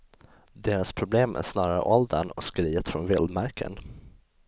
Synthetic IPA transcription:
d̪eːɾaspʰɾʊbleːmʔæ̰ʂnɑːɾaɾə̰ʔɔld̪ənɔ̰skɾiːət̪fɾɔnvɪld̪maɾkʰə̰n

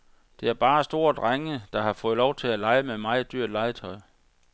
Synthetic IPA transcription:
d̥e̝æɐb̥ɑ̈ːsd̥o̝ːɐ̰d̥ʁaŋəd̥ɑ̈hɑ̈fɔ̽ːð̞̩ˠlɒʊt͡sʰe̝lælɑ̈ɪəmemɑ̈ɪd̥yɐd̥lɑ̈ɪət͡sʰɒ̽ɪ

